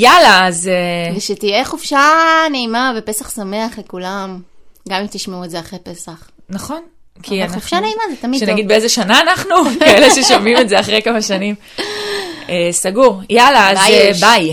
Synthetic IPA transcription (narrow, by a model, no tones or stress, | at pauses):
jalaːzeveʃet̪ijeχofʃaneimavepesaχsame̞aχlekulamɡamimt̪iʃmeuedzeaχʁejpe̞saχ | naχo̞n | kʰiannaufʃaneimazet̪amiʃenaɡɡid̪̚beezeʃanaːnaχnukaeleʃeʃomimetzeaχʁejkamaʃanim | esaɡuʁjalaazbaj